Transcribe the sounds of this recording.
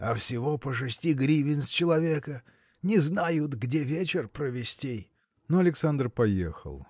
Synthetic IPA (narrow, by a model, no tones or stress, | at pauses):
ɐfsʲɪvopəʂ̬ɨsʲtʲiɡɾʲivʲɪnst͡ɕɪlˠɐvʲekə | nʲɪznajʊt̪ɡdʲevʲet͡ɕɪrpɾəvʲɪsʲtʲej | noɐlʲɪksand̪rpɐjḛxə̰lˠ